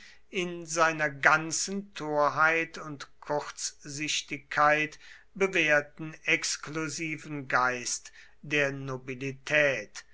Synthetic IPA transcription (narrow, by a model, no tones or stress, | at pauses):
ɪnzaɪnɐɡant͡sən̩tʰoːɐɦaɪtʰʊntkʰʊʁt͡szɪʃtɪkʰːaɪt | b̥əveːɐtn̩ɛkskluziːvn̩ɡaɪst | d̥eːɐnobilitʰɛːt